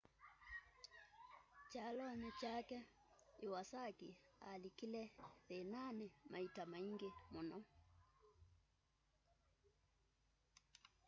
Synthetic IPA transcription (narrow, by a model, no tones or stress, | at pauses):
t͡ʃalɔnit͡ʃakɛ | iwasakialikilɛðenanɛmaitamaiŋɡemonɔ